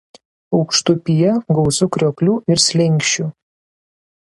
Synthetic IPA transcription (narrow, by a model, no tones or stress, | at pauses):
ɒʊkʃt̪ʊpʲijɛɡɒʊsʊkɾʲoːklʲuːɪɾsʲlʲɪŋʲkʲʃʲt͡ʃʲu